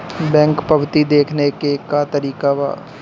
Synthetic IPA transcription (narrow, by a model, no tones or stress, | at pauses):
bɛ̃ːŋkpɐʋt̪id̪eːkʰnekekat̪ɐɾiːkaʋa̰ː